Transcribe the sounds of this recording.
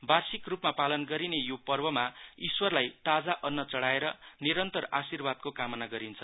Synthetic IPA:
barsikrupmapalʌnɡʌɾinejopʌrbʌmaiswʌrlajt̪ad͡zaʔʌnːʌt͡sʌɽaeɾʌniɾʌnt̪ʌrasirbad̪̚kokamʌnaɡʌɾint͡sʰʌ

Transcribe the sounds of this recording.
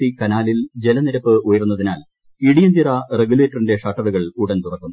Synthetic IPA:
ikɐnaːlild͡ʑe̞lɐniɾɐpːɨujɐɾunːɐðinaːl | iɽijɐmd͡ʑirɐre̞ɡule̞ːtːɐrinde̞ʂɐʈːɐðuɣɐɭuɽɐnt̪urɐkːunː

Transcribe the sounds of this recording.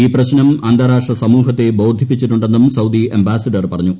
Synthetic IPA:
iːprɐɕnɐmand̪ʱaɾaːʂʈrɐsɐmuːɦɐt̪ːe̞bo̞ːd̪ʱipːit͡ɕːiʈːuɳɖe̞nːumsɐwd̪iembaːsɐɖɐrpɐrɐɲːu

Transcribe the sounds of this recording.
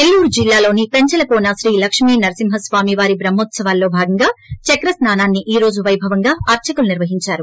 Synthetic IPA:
elːuːɾd͡ʒilːaːlo̞ːnipeɲt͡ʃɐlɐpoːnaːsɾiːlɐkʂmiːnɐɾɐsimɦɐsʋaːmiʋaːɾibɾɐmːoːt̪sɐʋaːlːoːbʱaːɡɐŋɡaːt͡ʃɐkɾɐsnaːnaːnːiʔiːɾo̞ːd͡ʒuʋɐjbʱɐʋɐŋɡaːɐɾt͡ʃɐkuluniɾʋɐɦiɲt͡ʃaːɾu

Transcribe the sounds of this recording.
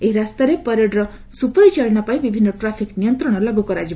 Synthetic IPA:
eɦiɾast̪aɾepɔɾeɖɾɔ | supɔɾit͡ʃaɾnapaĩbibʱinːɔʈɾapʰiknijɔnt̪ɾɔɽ̃ɔlaɡukɔɾad͡ʒi

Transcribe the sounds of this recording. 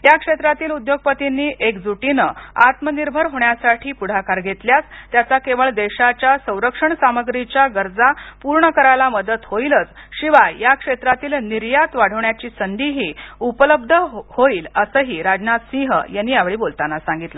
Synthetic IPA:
jakʂet̪ɾat̪iːlud̪joɡ̚pət̪inːiːʔekd͡zuʈinəat̪məniɾbʱəɾɦoɳjasaʈʰiːpuɽ̤akaɾɡʱet̪ljat͡st̪jat͡sakeʋəɭd̪eɕat͡ɕjasə̃w̃ɾəkʂəɳsaməɡɾit͡ɕjaɡəɾd͡zapuɾɳəkəɾajlaməd̪ət̪hojlət͡sɕiʋajakʂet̪ɾat̪iːlniɾjat̪ʋaɽ̤əʋɳjat͡ɕiːsənd̪iɦiːupələb̚d̪ʱəhoiːləsəɦiːɾad͡ʑnat̪sĩɦə̰jenːiːjaʋɭiːbolt̪anasãŋɡit̪lə

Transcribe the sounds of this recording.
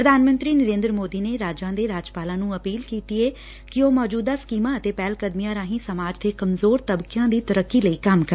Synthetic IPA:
pɾəd̪ʱaːnmə̃nt̪ɾiːnəɾẽːnd̪ɾəmoːd̪iːneːɾaːd͡ʒãːd̪eːɾaːd͡ʒpaːlãːnũːəpiːlkiːt̪iːeː | kɪoːmɔːd͡ʒuːd̪aːskiːmãːət̪eːpɛːlkəd̪mijãːɾãːɦĩːsəmaːd͡ʒt̪ʰeːkəmzoːɾt̪əbkjãːd̪iːt̪əɾəkːiːləiːkəmkəɾ

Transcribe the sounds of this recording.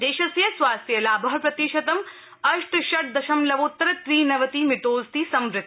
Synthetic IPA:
d̪eːʃɐsjɐsʋaːst̪ʰjɐlaːbɐɦɐpɾɐt̪iʃɐt̪ɐm | ɐʃʈʃɐʈ̚d̪ɐʃɐmlɐʋoːt̪ːɾɐt̪ɾiːnɐʋɐt̪iːmɪʈoːzt̪isɐmɾɪt̪

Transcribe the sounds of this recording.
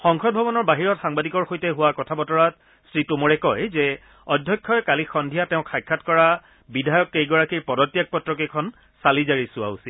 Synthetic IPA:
xɔŋkʰɔt̚bʱɔbɔnɔɹbaɦiɹɔtxaŋbadikɔɹxojtɛɦʊwakɔtʰabɔtɔɹat̚ | sɹitumɔɹɛkɔjzɛ | ɔdʱjɔjkʰːɔjkalixɔndʱijatɛʊ̃kʰajkʰːatkɔɹa | bidʱajɔkːejɡɔɹakiɹpɔdɔtːijak̚pɔtɹɔkikʰɔn | salizaɹisʊa̰usil

